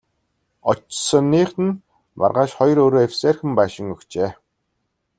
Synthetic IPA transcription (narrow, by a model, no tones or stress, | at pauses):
ɔt͡ɕsə̆nːiːχt̪ɘ̆n | ma̰rʁaːʃχɔjɾoːɾoːewseːrxɘ̆mpæːʃɪ̆ŋɵkt͡ɕeː